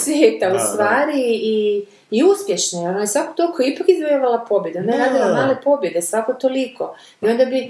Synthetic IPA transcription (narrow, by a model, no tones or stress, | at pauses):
sʋjeːt̪aust̪ʋaːɾiː | uspje̞ʃnojonojesʋako̥t̪o̞likʰoipakizbojaʋalapo̞bjed̪uonaeɾaːd̪ilˠamaːle̞po̞bje̞d̪esʋakot̪oliko̞ | io̞nd̪abi